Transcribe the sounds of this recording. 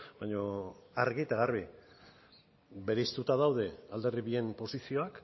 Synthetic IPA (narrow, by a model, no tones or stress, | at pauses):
bajɲo̞aɾɣit̪aɣarβi | βe̞ɾe̞ist̪ut̪aðawð̞e̞ald̪e̞riβie̞mpo̞sisio̞ak